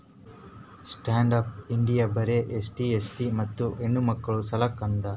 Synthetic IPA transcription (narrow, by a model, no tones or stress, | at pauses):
sʈaːɳɖɐp̚iɳɖijabɐɾeʔesʈiesʈimɐt̪ːuʔeɳːumɐkːɐɭusɐlɐkːɐnd̪ɐ